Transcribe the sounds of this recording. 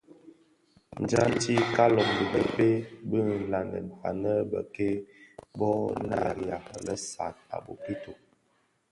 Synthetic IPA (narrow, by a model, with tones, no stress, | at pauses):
n̩˨d͡ʒa˦n˦ti˦ka˦lɔ˨ŋdi˨bə˨pe˦bə˦˨la˨ndə̰˨n̩˨fa̰˨nə˦bə̰˨ke˦bɔ˦na̰˦˨ɾja˨lə̰˦sa̰˨t̚a̰˨bo˨ki˦to˨